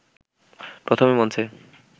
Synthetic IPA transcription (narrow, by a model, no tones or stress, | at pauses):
pɾot̪ʰomemɔnt͡ɕʰe